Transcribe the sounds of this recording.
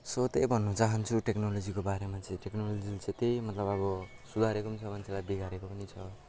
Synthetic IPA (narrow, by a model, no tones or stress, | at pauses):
sot̪ejbʱʌnːʌt͡saɦʌnt͡sʰuʈeknolod͡zikobaɾemat͡sʌĩʈeknolod͡zilt͡set̪ejmʌt̪lʌbʌbʌ | sud̪ʱaɾekopnit͡sʰʌmant͡sʰelajbiɡʱaɾekopʌnit͡sʰʌ